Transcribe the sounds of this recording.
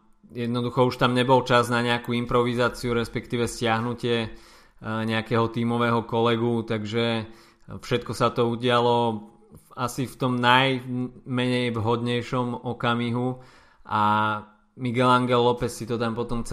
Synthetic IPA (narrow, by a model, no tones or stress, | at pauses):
jɛd̪nɔd̪uxɔuʃt̪amɲɛbɔlt͡ʃaznaɲɛakuimpɾɔʋizaːt͡siuɾɛspɛkt̪iːʋɛscɪaɦnucɪɛ | ɲɛakɛɦɔt̪iːmɔʋɛɦɔkɔlɛɡut̪aɡʒɛ | fʃɛt̪kɔsat̪ɔuɟɪalɔ | asift̪ɔmnajmɛɲɛjʋɦɔd̪ɲɛjʃɔmɔkamiɦu | ʔa | miɡɛlaŋɡɛlːɔpɛsːit̪ɔt̪ampɔt̪ɔmt͡s